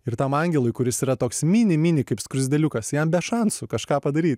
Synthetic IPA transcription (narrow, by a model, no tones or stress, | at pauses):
ɪɾt̪ɐmɐŋʲɡʲɛlˠʊɪjkʊɾʲɪsiːɾɐt̪oːksmʲiːnʲɪmʲinʲɪkɐɪpskɾʊzʲd̪ʲɛlʲʊkɐsjɛmbʲɛʃɐnsʊkɐʃkɑːpɐd̪ɐɾʲiːt̪ʲ